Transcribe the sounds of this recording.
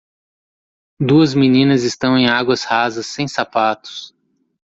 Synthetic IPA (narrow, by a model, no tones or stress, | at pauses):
d̪uɐzmĩnĩnɐzɪst̪ɐ̃w̃ẽj̃aɡwɐshazɐsːẽj̃sapat̪ʊ̥s